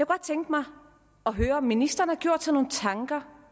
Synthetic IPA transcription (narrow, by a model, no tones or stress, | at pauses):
jjɑɡ̥ɒd̥̚t͡sʰeŋɡd̥mɑ̈ɪ | ɒ̽ɦøːɐɒ̽mːinisd̥ɐn̩əhɑ̈ɡ̥jo̝ɐ̰d̥sɒno̝ːn̩t͡sʰɑ̈ŋɡ̥ɐ